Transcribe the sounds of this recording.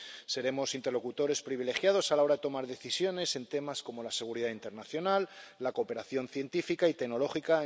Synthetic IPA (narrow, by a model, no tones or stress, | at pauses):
se̞ɾe̞mo̞sint̪e̞ɾlo̞kut̪o̞ɾe̞spɾiβ̞ile̞xjað̞o̞salao̞ɾaðet̪o̞maɾðe̞θisjo̞ne̞se̞nt̪e̞masko̞mo̞lase̞ɣ̞uɾiðaint̪e̞ɾnaθjo̞nalːako̞ːpe̞ɾaθjo̞nθje̞nt̪ifikait̪e̞ɡno̞lo̞xika